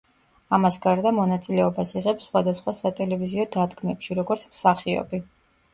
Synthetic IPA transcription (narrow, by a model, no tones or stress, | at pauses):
amasɡaɾd̪amɔnat̪sʼilɛɔbasiʁɛpsχwad̪asχwasat̪ʼɛlɛviziɔd̪ad̪ɡmɛpʃiɾɔɡɔɾt̪sʰmsaχiɔ̰bi